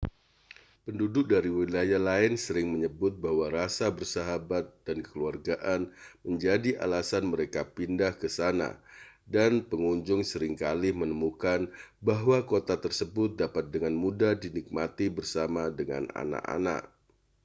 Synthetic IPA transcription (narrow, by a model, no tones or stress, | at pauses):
pəndudʊk̚daɾiwilajahlaɪnsəɾɪŋməɲəbʊt̪̚bahwaɾasabərsaɦabat̪̚dankə̥kəluarɡaʔanməɲd͡ʒadiʔa̰lasanməɾekapindahkəsana̰danpəŋuɲd͡ʒʊŋsəɾɪŋkalɪmənəmukanbaɦwakot̪at̪ərsəbʊt̪̚dapat̪̚dəŋanmudadinik̚mat̪ibərsamadəŋa̰na̰na̰ʔa̰na̰ʔ